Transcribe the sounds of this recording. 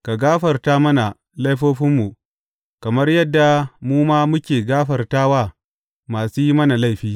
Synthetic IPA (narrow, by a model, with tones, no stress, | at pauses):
ka˨ɡaː˦ɸɐ˨rtaː˦mɐ˦na˨ | la˦jɸoː˦ɸɪ˦mːu˨ | kɐ˨mɐ˦rjɐ˦dːa˨muː˦maː˦mʊ˦kʲeː˨ɡaː˦ɸɐ˨rtaː˦waː˦˨ | maː˨suː˦ji˦mɐ˦na˨la˦˨jɸiː˦